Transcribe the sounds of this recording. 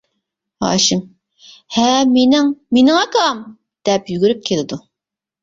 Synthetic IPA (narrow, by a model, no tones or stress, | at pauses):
hɑ̰ːʃɨŋ | hɛmenɪŋmenɪŋɑkɑm | d̪̥ɛpjyɡʲyɾyp̚kʲʰelɪd̪u